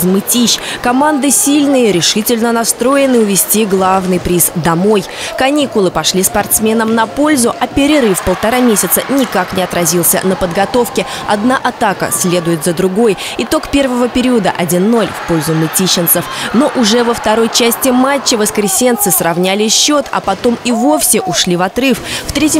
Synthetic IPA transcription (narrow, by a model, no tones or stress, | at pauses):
zmɨtʲiɕkɐmand̪ɨsʲilʲnɨjəɾʲɪʂɨtʲɪlʲnənɐst̪ɾo̞jɪnɨʊvʲɪsʲtʲiɡlˠavnɨjpɾʲisd̪ɐmo̞j | kɐnʲikʊlˠɨpɐʂlʲispɐrt̪smʲe̞nəmnɐpo̞lʲzʊʔɐpʲɪɾʲɪɾɨfpəlˠt̪ɐɾamʲesʲɪt̪sə̰nʲɪkaknʲɪɐt̪ɾɐzʲilˠsʲə̰nəpəd̪ɡɐt̪o̞fkʲɪ | ɐd̪naʔɐt̪akə̰sʲlʲe̞d̪ʊjɪt̪zəd̪ɾʊɡo̞j | ɪt̪o̞kpʲe̞rvəvəpʲɪɾʲiəd̪əʔɐdʲinːo̞lʲfpo̞lʲzʊmɨtʲiɕːɪnt̪səfno̞ʔʊʐɛvəft̪ɐɾo̞jt͡ɕæsʲtʲɪmat͡ɕːɪvəskɾʲɪsʲe̞nt̪sɨsrɐvnʲælʲɪɕːo̞t̪ʰɐ̰pɐt̪o̞mivo̞fsʲɪʔʊʂlʲivɐt̪ɾɨfft̪ɾʲetʲɪ